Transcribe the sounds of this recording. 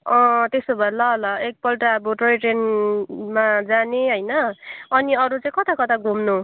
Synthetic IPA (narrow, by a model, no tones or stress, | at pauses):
ʌ̃t̪esobʱʌlʌlʌek̚pʌlʈaʌboʈoiʈenmad͡zaneɦʌjnʌʌniʌɾut͡saĩkʌt̪ʰakʌt̪ʰaɡʱumnu